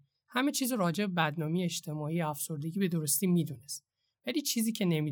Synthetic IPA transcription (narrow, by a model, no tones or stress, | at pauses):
hæme̞t͡ʃʰiːzoɾɒːd͡ʒe̞bebæd̪nɒːmejeet͡ʃt̪ʰe̞mɒːiːjeæfso̞ɾd̪e̞ɟʲiːbe̞d̪o̞ɾost̪iːmiːd̪uːnest̪̚ | væliːt͡ʃʰiːziːcʰe̞ne̞miː